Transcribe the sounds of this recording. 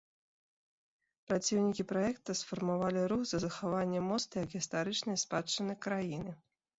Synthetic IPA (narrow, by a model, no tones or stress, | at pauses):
pɾat͡sʲiwnʲikʲipɾajɛkt̪ɐsfɐrmavalʲiɾuxzɐzɐxavanʲːɛmɔst̪jɐkɣʲist̪aɾɨt͡ʂnɐjspat͡ʂːɐnɨjkɾajinɨ